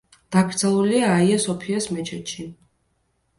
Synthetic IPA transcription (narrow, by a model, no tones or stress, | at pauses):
d̪̥aɡɾd̪zalˠuliaːiasɔpʰiasmɛt͡ʃʰɛt̪ʃi